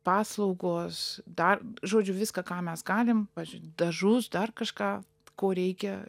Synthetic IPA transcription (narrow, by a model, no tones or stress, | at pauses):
pɑːslˠɐʊɡoːsd̪ɐrʒoːd͡ʒʲʊʋʲɪskɐkɑːmʲɛsɡɑːlʲɪmpɑːd͡ʒʲʊtd̪ɐʒʊsd̪ɐrkɐʃkɑː | koːɾʲɛɪkʲɛ